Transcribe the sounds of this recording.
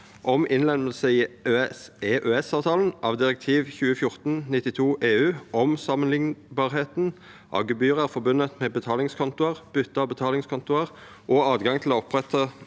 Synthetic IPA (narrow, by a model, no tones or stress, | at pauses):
ʔɔmʔɪnlɛnməl̩səiː | eːʔøːɛsɑːʋt̪ʰɑːln̩ʔɑːʋd̪ɪʁək̚t̪ʰiːʋçʉːəfjʊʁt̪n̩nɪt̪ɪt̪ʰuːʔeːʉːʔɔmsɑmənlɪŋbɑːʁɦeːt̪n | ʔɑ̰ːɡəbyːʁəæʁfɔbʉnət̪mɛːbət̪ʰɑːlɪŋskʰɔnt̪ʊəʁb̥ʏt̪ːəɑbət̪ʰɑːlɪŋskʰɔnt̪ʊəʁ | ʔoːɑːd̪ɡɑŋt̪ʰɪloːɔpʁɛt̪ʰə